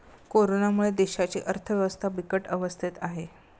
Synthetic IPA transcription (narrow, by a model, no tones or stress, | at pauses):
koɾonamuɭed̪eɕat͡ɕiːʔəɾt̪ʰəʋjəʋəst̪ʰabikəʈəʋəst̪ʰit̪aɦe